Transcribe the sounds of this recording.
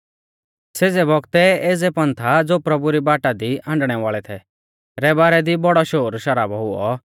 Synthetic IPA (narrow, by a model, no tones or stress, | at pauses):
seːd͡zɛbɔɡt̪ɛeːd͡zɛpɐ̃nt̪ʰad͡zoːpɾɐbuɾibaːʈad̪iãːɳɖɽ̃ɛʋaːɭɛt̪ʰɛ | ɾɛbaːɾɛd̪ibɔɽɔʃoːɾʃɐɾaːbɔɦʊɔ